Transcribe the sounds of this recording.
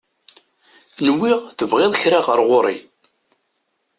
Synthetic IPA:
nəwːɪʁθəvʁeðˤçɾɑʁəɾˤʁoɾˤḭ

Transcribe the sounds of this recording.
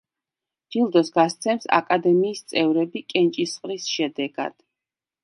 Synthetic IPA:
d͡ʒilˠd̪ɔsɡast̪sʰɛmsa̰kʼad̪ɛmiːst̪sʼɛvɾɛbikʼɛnt͡ʃʼisχʼɾisʃɛd̪ɛɡa̰d̪̥

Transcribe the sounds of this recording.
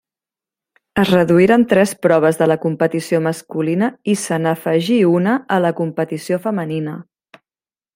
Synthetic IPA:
əzrəðuiɾant̪ɾɛspɾɔβ̞əzðələkumpət̪isioməskulinəisənəfəʒiunəələkumpət̪isiofəməninə

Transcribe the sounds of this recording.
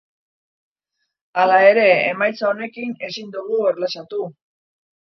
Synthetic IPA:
alae̞ɾe̞ːmajt͡saone̞kine̞sind̪uɣueɾlasat̪u

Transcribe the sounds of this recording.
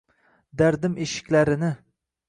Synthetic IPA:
d̪aɾd̪ɪmʔeʃɪ̥kʲlaɾɪnɪ

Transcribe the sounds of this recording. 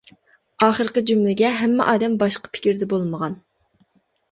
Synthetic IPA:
ɑːχəɾqəd͡ʒymlɪɡʲɛɦɛmːɛ̰ʔɑːd̪ɛmbɑʃqɑ̥pʰɪ̥kʲiɾd̪ɛbolˠməʁɑn

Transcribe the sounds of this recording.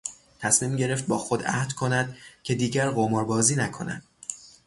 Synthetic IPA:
t̪ʰæsmiːmɟe̞ɾe̞ft̪̚bɒːxod̪æ̰hd̪̥kʰo̞næd̪̥cʰe̞d̪iːɟæɾɢomɒːɾbɒːziːnækʰo̞̰næ̰d̪̥

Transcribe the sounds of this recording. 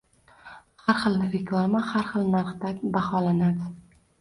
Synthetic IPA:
haɾχɨlˠnɪɾeklˠamahaɾχɨlnaɾχt̪abaχɒlanad̪ɪ

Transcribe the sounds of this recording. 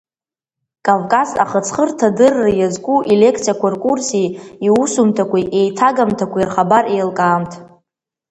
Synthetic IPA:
kʼavkʼaza̰χət͡sʰχərtʰadɨrːajazkʷʼuʔile̞kʰt͡sʰijakʷarkʼursiiusumtʰakʷʰʼiʔejtʰaɡamtʰakʷiirχabarʔejlkʼaːmtʰ

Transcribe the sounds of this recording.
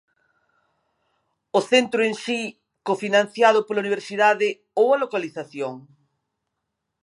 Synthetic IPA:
oθent̪ɾʊeŋsi | kofinãnθjað̞ʊpolɐuniβ̞eɾsiðaðɪ | owɐlokaliθaθjoŋ

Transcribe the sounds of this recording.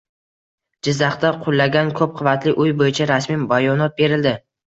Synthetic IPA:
d͡ʒɪzːaχt̪aqʰʊlˠːaɡʲankʰɵp̚qʰʊvat̪lɪʔʊjbojɪt͡ʃʰaɾasmibajɒnɒt̪̚be̞ɾɪld̪ɪ

